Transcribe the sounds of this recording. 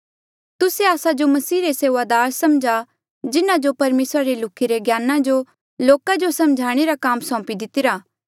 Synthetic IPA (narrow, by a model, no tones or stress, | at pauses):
t̪ʊseaːsad͡ʒomɐsiːɾeseːʋad̪aːɾsɐmd͡ʒʱa | d͡ʒɪnãd͡ʒopɐɾmeːsɾaɾelʊkʰːiɾeɡjaːnãd͡ʒo | loːkad͡ʒosɐ̃md͡ʒʱaːɽ̃eɾakaːmsɔ̃ːpid̪ɪt̪ɪɾaː